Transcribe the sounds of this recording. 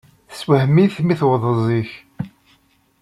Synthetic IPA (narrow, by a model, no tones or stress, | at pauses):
swəhmiθmiθwðˤəzˤiç